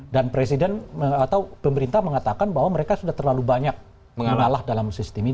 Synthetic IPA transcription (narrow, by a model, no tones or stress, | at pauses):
danpɾesidɛnəat̪awpəməɾint̪ahməŋat̪akanbaɦwaməɾekasudaht̪ərlalubaɲak̚ | əŋməŋalahdalamsist̪imi